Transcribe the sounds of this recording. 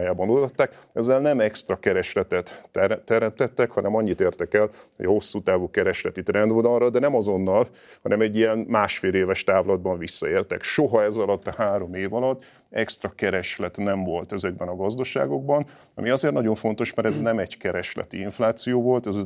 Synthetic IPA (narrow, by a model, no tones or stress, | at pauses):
jaːbɒnult̪ɒt̪ːaːkɛzːɛlnɛmɛkst̪rɒkɛɾɛʃlɛt̪ɛt̪ːɛt̪ːɛɾɛmt̪ɛt̪ːɛkhɒnɛmɒɲːit̪eːrt̪ɛkɛlho̞ɟɒho̞sːuːt̪aːvuːkɛɾɛʃlɛt̪it̪rɛnd̪ʋod̪ɒrːɒd̪ɛnɛmɒzo̞nːɒl | hɒnʔɛmɛɟːijɛnmaːʃfeːleːvɛʃt̪aːvlɒd̪bɒɱvisːɒeːrt̪ɛ̰kʃoɦɒɛzɒlɒt̪ːɒhaːɾo̞meːvɒlɒt̪ː | ɛkst̪rɒkɛɾɛʃlɛt̪nɛɱvo̞lt̪ɛzɛɡ̚bɛnɒɡɒzd̪ɒʃa̰ːɡo̞ɡ̚bɒn | ɒ̰miɒzeːrt̪nɒɟo̞ɱfo̞nt̪o̞ʃmɛɾɛznɛmɛɟkɛɾɛʃlɛ̰t̪iiɱflaːt̪sijoːvo̞lt̪ɛz